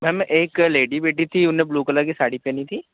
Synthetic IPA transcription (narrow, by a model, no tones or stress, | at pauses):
mɛmʔeːkleːɖiːbeːʈit̪ʰiːʊnẽːbluːkələɡisaːɽiːpeːnit̪ʰiː